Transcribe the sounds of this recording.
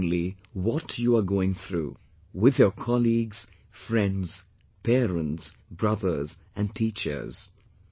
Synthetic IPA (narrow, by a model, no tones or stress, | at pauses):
nliwɔtʰjuaɡoɪ̃ŋθɾṵː | wɪðjəkʰɑliɡz̥ | fɹɛ̃ndz̥ | pʰɛːɾə̃ntsbɹʌðə˞z | æ̃nʈʰiːt͡ʃə̰˞z̥